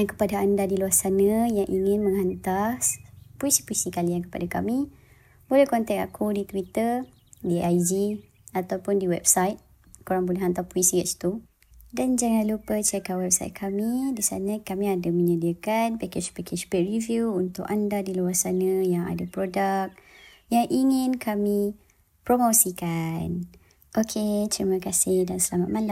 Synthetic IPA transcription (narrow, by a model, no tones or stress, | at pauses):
jaŋkə̥padaandadiluasanə̃jaŋʔiŋɪ̃nmə̃ŋɦant̪aspuisi̥puisikaliankə̥pa̰daka̰mĩ | bolɛhkɔnt̪ɛka̰kʰudit̪uwit̪ər | diajd͡ʒi | at̪awpʊndiwɛbsajt̪̚ | koɾaŋb̬ulɛɦant̪apuisiɛt͡ʃt̪u | dand͡ʒaŋãnlupət͡ʃɛkawɛb̚sa̰jt̪̚kʰamidisa̰nə̃kamĩadamə̃ɲədiakanpɛket͡ʃpɛkʰet͡ʃpɛʔɹivjuunt̪ʊ̰kandadiluarsanə̃jaŋa̰dapɾodək̚ | jaŋʔiŋɪ̃nkʰami | pɾomosikan | ʔokʰet̪ɾimə̃kasɪhdansəlamat̪̚mala